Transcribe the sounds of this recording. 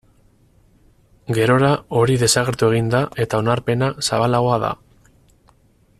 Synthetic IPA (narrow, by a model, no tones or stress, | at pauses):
ɡe̞ɾo̞ɾao̞ɾiðe̞saɣ̞e̞ɾt̪ue̞ɣ̞ind̪ae̞t̪ao̞naɾpe̞nasaβalaɣ̞o̞aða̰